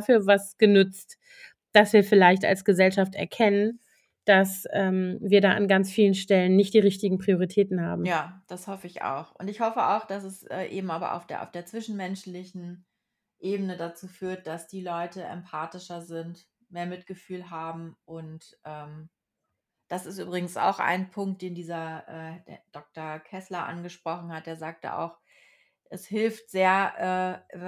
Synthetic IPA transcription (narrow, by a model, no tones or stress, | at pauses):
fyːɐvasɡ̥ənʏt͡st | d̥asv̥iːɐfɪlaɪçta̰lsɡ̥əzɛlʃaftɛ̰ɐkʰɛnən | d̥asʔɛːmviːɐɾaːʔanɡant͡sfiːlənʃtɛlənːɪçt̚d̥iːʁɪçtɪɡŋ̩pʁ̥ioʁitʰɛːtn̩ha̰ːbm̩jaːd̥ashɔfəɪça̰ʊxʔʊntɪçhɔfəʔa̰ʊxd̥asɛsʔɛ̰ːʔḛːbm̩ʔaːbɐ̰ʔa̰ʊfd̥ḛɐʔa̰ʊfd̥eːɐt͡sv̥ɪʃn̩mɛnʃlɪçn̩ | ʔeːbənədat͡suːfyːɐt̚d̥asd̥iːlɔʏtəʔɛ̰mpʰaːtɪʃɐzɪnt | meːɐmɪt̚ɡ̥əfyːlɦaːbm̩ʔʊntʔɛːm | d̥asɪstʔy̰ːbʁɪɡŋ̩sa̰ʊxʔa̰ɪnpʰʊŋkt̚d̥eːndiːzɐʔɛːd̥d̥ɔk̚tɐkʰɛslɐʔa̰nɡəʃpʁ̥ɔχn̩hat̚d̥eːɐzaːk̚tə̰ʔa̰ʊx | ʔɛshɪlftz̥eːɐʔɛː